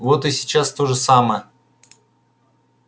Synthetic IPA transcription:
vot̪ɨsʲɪ̥t͡ɕast̪o̞ʐɨsaməjə

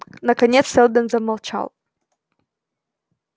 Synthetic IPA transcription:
nɐkɐnʲet̪ssʲɛlˠd̪ənzɐmɐlˠt͡ɕa̰lˠ

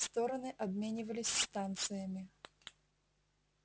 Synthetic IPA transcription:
st̪o̞ɾənɨʔɐbmʲenʲɪvəlʲɪsʲst̪ant̪sɨjəmʲɪ

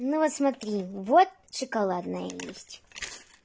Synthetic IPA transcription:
nuvɔt̪smɐt̪ɾʲivɔt̪̚ʂɨkɐlˠad̪nəjə̰jḛsʲtʲ

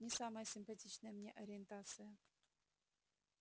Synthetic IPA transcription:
nʲɪsamɐjəsʲɪmpɐtʲit͡ɕnəjəmnʲeʔɐɾʲɪent̪at̪sɨjə

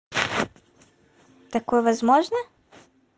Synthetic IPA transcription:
t̪akoeʋazmoʒna

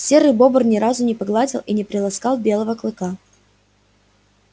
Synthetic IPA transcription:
sʲeɾɨbo̞bərnʲɪɾazʊnʲɪpɐɡlˠadʲɪlˠʔinʲɪpɾʲɪlˠɐskɑlˠbʲe̞lˠəvəklˠɨka

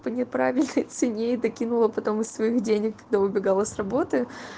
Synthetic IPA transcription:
pənʲɪpɾavʲɪlʲnəjt̪sɨnʲeɪd̪ɐkʲinʊlˠəpɐt̪o̞mɨsːvɐixdʲenʲɪkːɐɡ̚d̪aʊbʲɪɡalˠəsʲrɐbo̞t̪ɨ

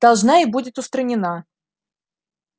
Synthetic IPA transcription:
d̪̥ɐlˠʐnaɪbudʲɪt̪ʊst̪ɾənʲɪna

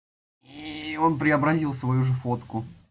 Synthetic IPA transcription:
io̞npɾʲɪɐbɾɐzʲilˠsvɐjuʐɨfo̞t̪kʊ

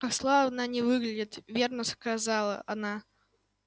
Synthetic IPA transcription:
kakslˠavnanʲɪvɨɡlʲɪdʲɪt̪vʲernəskazalˠə̰ʔɐna

